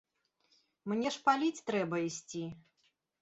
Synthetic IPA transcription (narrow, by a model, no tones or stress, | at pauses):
mnʲɛʂpalʲit͡sʲt̪ɾɛbɐisʲt͡sʲi